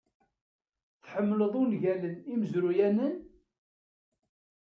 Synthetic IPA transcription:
θħəmːləðˤʊnʝæləniməzɾujænən

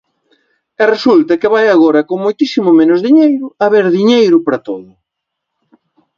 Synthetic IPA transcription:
ɛresult̪ɐkɪβajaɣoɾɐkoŋmojt̪isimʊmẽnʊzðiɲejɾʊɐβeɾðiɲejɾʊpɾɐt̪oðʊ

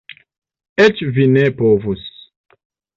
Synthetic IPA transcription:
et͡ʃvinepovus

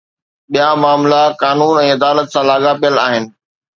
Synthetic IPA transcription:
ɓijamaːmlakaːnuːnɛ̃ːɐd̪aːlət̪sãːlaːɠapijəla̰ːɦɪnɪ̆

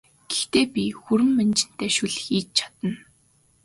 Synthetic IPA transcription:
ɡ̥ext̪eːpʲixuɾɘ̆mːænt͡ɕɪ̆n̥t̪eːʃuɮxiːt͡ɕt͡ɕʰḁt̪ə̆n

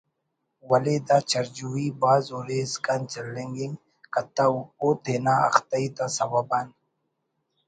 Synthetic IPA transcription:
wɐled̪aːt͡ʃɐɾd͡ʒuiːbaːzoːɾeːzkant͡ʃɐlːẽŋɡiŋ | kɐt̪aoːt̪ʰeːnaːɐ̰xt̪ɐiːd̪aːsɐwabaːn

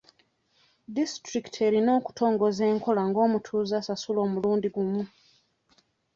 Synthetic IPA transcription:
distɾiki̥tʰe̞ɾino̞ːku̥tʰo̞ːŋɡo̞ze̞ːŋko̞laŋɡoːmutʰuːzasasulo̞ːmuluːndiɡumu

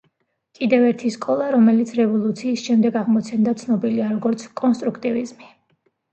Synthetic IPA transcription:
kʼid̪ɛvɛɾt̪ʰiskʼɔlˠaɾɔmɛlit̪sʰɾɛvɔlˠut̪sʰiːsʃɛmd̪ɛɡaʁmɔt͡ʃ̪ʰɛnd̪at̪sʰnɔbiliaɾɔɡɔɾt̪sʰkʼɔnst̪ʼɾukʰt̪ʼivizmi

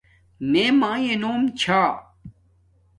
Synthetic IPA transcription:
memãːjenoːmt͡ɕʰaː

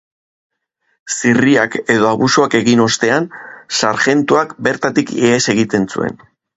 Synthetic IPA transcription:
siriake̞ðo̞aβusoake̞ɣino̞st̪e̞ansaɾxe̞nt̪uakbe̞ɾt̪at̪ikeese̞ɣit̪e̞nsṵe̞̰n

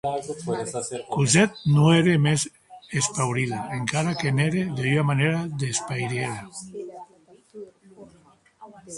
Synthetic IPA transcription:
kuzɛt̪̚noeɾemez | espawɾiðaeŋkaɾakeneɾeðeamaneɾaðespajɾeɾa

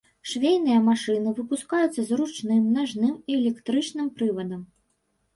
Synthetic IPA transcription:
ʂvʲejnɨjɐmaʂɨnɨvɨpuskajut̪sːɐzɾut͡ʂnɨmnaʐnɨmiɛlʲɛkt̪ɾɨt͡ʂnɨmpɾɨvɐd̪ɐm

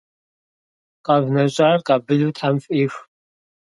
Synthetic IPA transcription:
kʼaːvnɐɕʼarkʼabɨɮutʰħamfʼiːʂ

